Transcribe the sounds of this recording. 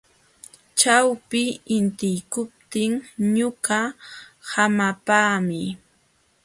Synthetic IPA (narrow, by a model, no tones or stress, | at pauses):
t͡ʃawpɪɪnt̪ɪjkʊp̚t̪ɪŋɲʊɢahamapaːmɪ